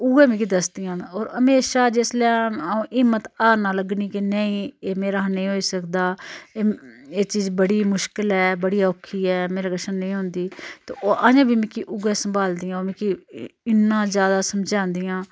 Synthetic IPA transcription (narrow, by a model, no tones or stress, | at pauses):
ʊɡɛːmẽːkid̪əsd̪ijãːoːɾəmeːʃaːd͡ʒeːsleaːũːʔɪmət̪aːɾnaːləɡniːkenəĩːeːmẽːɾaːɦnəĩːɦoːiːsəkd̪aːeːeːt͡ʃiːzbəɽiːmʊʃkɪlɛːbəɽijaːokʰːiːɛːmeːɾaːɡəʃənːəĩːɦõːnd̪iːt̪o̰ːʔaːjãːbʱiːmɪ̃kiʔʊɡɛːsəmbʱaːld̪iːjãːɾmẽːkiɪnːãːzjaːd̪aːsəmd͡ʒãːnd̪ijãː